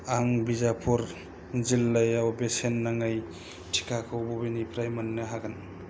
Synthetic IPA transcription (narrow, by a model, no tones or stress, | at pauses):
aŋbizapʰuɾ | zilːajawbesenːaŋaj | tʰi̥kʰakʰɯwbɔbinipʰɾajmanːɯɦaɡɯn